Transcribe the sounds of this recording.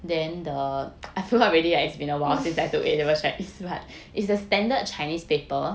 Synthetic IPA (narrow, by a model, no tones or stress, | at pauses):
dɛ̃ndəajfilɔɹɛdiasbĩnəwaʊsĩnsajtuʔḛdɛwət͡ʃaɪnisbat | ʔitsəstɛ̃ndəd̚t͡ʃajnispepə